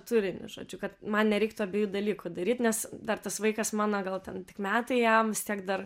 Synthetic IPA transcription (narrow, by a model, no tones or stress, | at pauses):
t̪uːɾʲɪnʲʊ̰ʒo̰ːd͡ʒʲʊkɐt̪mɐnnʲɛɾʲɛɪk̚t̪uɐbʲeːjuːd̪ɐlʲiːkʊd̪ɐɾʲiːt̪nʲɛsd̪ɐrt̪ɐsʋɐɪkɐsmɑːnɐɡɐlˠt̪ʲɛnt̪ʲɪ̥kmʲæːt̪ɐɪjɛmʋʲɪst̪ʲiɛkd̪ɐr